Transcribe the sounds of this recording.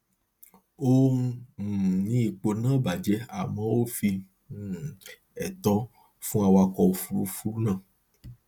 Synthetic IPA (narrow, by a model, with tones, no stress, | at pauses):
o˦m̩˦˨nĩ˦i˧˨k͡po˧nã˦ba˨d͡ʒɛ˨˦a̰˨mɔ̃˦wo˦fi˧˨ | ɛ˨t̪ɔ˦ | fũ˦a˧wa˧kɔ˧o˧˨fu˦ɾu˦˧fu˦ɾu˦nã˦˨